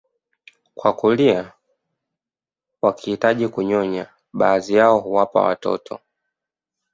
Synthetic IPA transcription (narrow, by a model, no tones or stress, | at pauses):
kwakulia | wakihitaʄikuɲɔɲa | ɓaːzijaɔhuwapa̰wa̰tɔ̰tʰɔ̰